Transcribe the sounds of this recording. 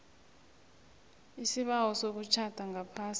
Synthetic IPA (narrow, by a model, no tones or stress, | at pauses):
isiɓawɔsok̬ut͡ʃʰad̥ʱaŋapʰaːsi